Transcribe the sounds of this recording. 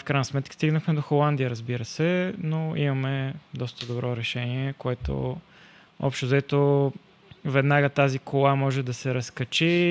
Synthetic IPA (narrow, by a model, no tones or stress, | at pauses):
fkɾajnəsmɛt̪kə̥st̪iɡnəxmɛd̪oxolˠand̪ijəɾəzbiɾəsɛnoimɐmɛd̪ɔst̪əd̪obɾɔɾɛʃɛniɛkoɛt̪o̰ | ɔ̰pʃt̪ozɐɛt̪o | vɛd̪naɡət̪azikolˠamɔʒɛd̪ɐsɛɾɐskɐt͡ʃi